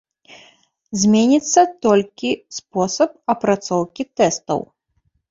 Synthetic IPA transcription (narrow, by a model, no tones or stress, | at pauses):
zʲmʲenʲit̪sːɐt̪ɔlʲkʲispɔsɐp̚ɐpɾat̪sɔwkʲit̪ɛst̪ɐ̰w